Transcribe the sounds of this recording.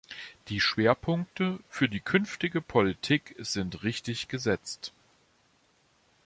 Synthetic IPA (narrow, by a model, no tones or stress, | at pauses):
d̥iːʃv̥eːɐpʰʊŋk̚təfyːɐdiːkʰʏnftɪɡəpʰolitʰiːkz̥ɪntʁɪçtɪçɡ̥əzɛt͡st